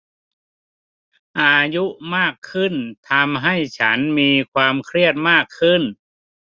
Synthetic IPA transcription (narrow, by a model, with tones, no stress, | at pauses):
ʔaː˧ju˦˥ʔmaː˥˩kʰːɯ˥˩nt̪ʰa˧mɦa˥˩jt͡ɕʰa˦˥nmiː˧kʰwaː˧mkʰɾi˥˩ət̪̚maː˥˩kʰːɯ˥˩n